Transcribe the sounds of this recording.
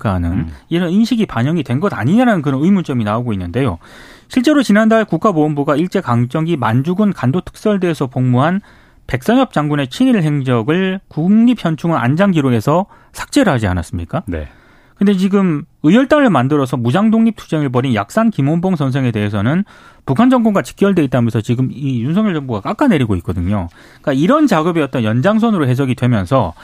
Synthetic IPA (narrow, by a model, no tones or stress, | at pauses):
k͈anɯniɾʌninɕʰiɡipaɲʌŋidwenɡʌda̰ɲiɲaɾanɯnkɯɾʌnɯimunt͡ɕ͈ʌminaoɡoinːɯnde̞jo̰ | ɕʰiɭt͡ɕ͈e̞ɾot͡ɕinandaɭkuk͈aboombuɡaiɭt͡ɕ͈e̞kaŋt͡ɕ͈ʌŋɡimand͡ʑuɡɯnkandotʰɯ̥k̚s͈ʌɭde̞esʰʌpoŋmuɦan | pe̞k̚s͈ʌɲjʌp̚t͡ɕ͈aŋɡune̞t͡ɕʰiniɾɯɭɦe̞ŋd͡ʑʌɡɯɭkuŋɲip̚ʰçjʌnt͡ɕʰuŋɯnʔa̰nd͡ʑaŋɡiɾoɡe̞sʰʌ | sʰḁk̚t͡ɕ͈e̞ɾɯɭɦad͡ʑia̰na̰s͈ɯmɲik͈anḛ | kɯnde̞t͡ɕiɡɯmɯjʌɭt͈aŋɯɭmandɯɾʌsʰʌmud͡ʑaŋdoŋɲip̚tʰu̥d͡ʑe̞ŋɯɭp̬ʌɾinja̰k̚s͈ankimomboŋsʰʌns̬ʰe̞ŋe̞de̞ɦesʰʌnɯn | pukʰand͡ʑʌŋɡoŋɡat͡ɕi̥k͈jʌɭde̞it͈amʌnsʰʌt͡ɕiɡɯmijunsʰʌŋjʌɭd͡ʑʌŋboɡak͈ak͈ane̞ɾiɡoit̚k͈ʌdɯɲo | k͈aiɾʌnt͡ɕaɡɯbejʌt̚t͈ʌnjʌnd͡ʑaŋs̬ʰʌnɯɾoɦe̞s̬ʰʌɡidwe̞mjʌnsʰʌ